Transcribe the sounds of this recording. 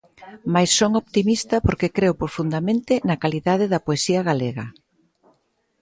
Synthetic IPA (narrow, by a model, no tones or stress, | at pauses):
majsːoŋoβt̪imist̪ɐpoɾkekɾewpɾofund̪ɐmẽnt̪ɪnɐkaliðaðɪðɐpoesiɐɣaleɣɐ